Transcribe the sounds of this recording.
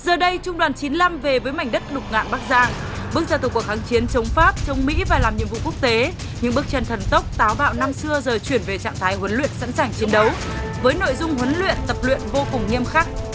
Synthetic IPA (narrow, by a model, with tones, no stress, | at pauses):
zəː˨˩ɗə˧jt͡ɕʊ˧ŋ͡mɗwaː˨˩nt͡ɕi˨˦nla˧mve˨˩vəː˨˦jma˨˩jŋ̟ɗə˦˥t̚ɗʊ˨˩k͡p̚ŋa̰ː˧˨nɓaː˦˥k̚zaː˧˩ŋ | ɓɨ˦˥ək̚zaː˧t̪kəkxaː˨˦ŋt͡ɕi˨˦ənt͡ɕə˨˦wŋ͡mfaː˦˥p̚t͡ɕə˨˦wŋ͡mmḭ˧˥vaː˨˩laː˨˩mɲɨ̰˧˨vṵ˧˨ku˦˥ək̚t̪e˨˦ | ɲɨ̰˧˥ŋɓɨ˦˥ək̚t͡ɕə˧nt̪ʰə˨˩nt̪ə˦˥wk͡p̚t̪aː˨˦wɓa̰ː˧˨wna˧msɨ˧əzəː˨˩jt͡ɕwi˧˩ənve˨˩t͡ɕa̰ː˧˨ŋt̪ʰaː˨˦jɦwə˨˦nlwḭ˧˨ənsa̰˧˥nsaː˨˩ŋt͡ɕi˨˦ənɗə˨˦w | vəː˨˦jno̰˧˨jzʊ˧ŋ͡mɦwə˨˦nlwḭ˧˨ənt̪ə˨˩p̚lwḭ˧˨ənvo˧kʊ˨˩ŋ͡mŋi˧əmxaː˦˥k̚